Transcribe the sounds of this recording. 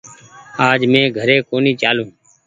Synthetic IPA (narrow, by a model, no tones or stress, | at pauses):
aːd͡ʒmẽːɡʱəɾeːkoːniːt͡ʃaːlũː